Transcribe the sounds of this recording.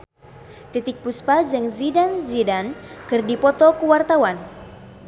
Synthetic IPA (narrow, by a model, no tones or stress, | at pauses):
t̪it̪ɪk̚puspazɛŋzidanzidankɨrdipɔt̪ɔkəwart̪awan